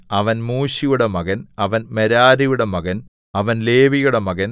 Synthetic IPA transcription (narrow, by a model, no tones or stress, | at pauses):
ɐʋɐnmuːɕijuɽemɐɣɐnɐʋɐnmeɾaːɾijuɽemɐɣɐn | ɐʋɐnle̞ːʋijuɽemɐɣɐn